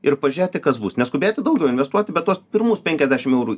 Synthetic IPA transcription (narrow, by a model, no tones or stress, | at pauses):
ɪrpɐʒʲæːt̪ʲɪkɐsbusnʲɛskʊbʲeːt̪ʲɪd̪ɐʊɡʲɛʊɪnʲʋʲɛst̪uɔt̪ʲɪbʲɛt̪tːuɔspʲɪɾmuːspʲɛŋʲkʲɛzʲd̪ʲæːʃʲɪmɛʊɾuː